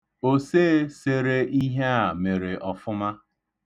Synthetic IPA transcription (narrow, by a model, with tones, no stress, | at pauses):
o˦se˦se˦ɾe˦ʔi˦ɦe˦a˨me˨ɾe˨ʔɔ˨fʊ˦ma˦